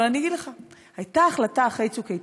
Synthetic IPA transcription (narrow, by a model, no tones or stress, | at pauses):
lanijaɡid̪leχa | hajtaːχlataːχʁejt͡sukej